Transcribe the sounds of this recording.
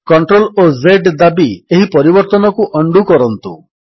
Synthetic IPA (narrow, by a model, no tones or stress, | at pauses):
kɔɳʈɾolozeɖd̪abieɦipɔɾibɔɾt̪ɔnɔkuʔɔɳɖukɔɾɔnt̪ṵ